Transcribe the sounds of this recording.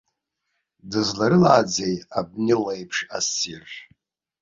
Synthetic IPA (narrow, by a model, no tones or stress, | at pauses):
dɨzlaɾɨlaːd͡zejab̚nɪlejpʰʂasir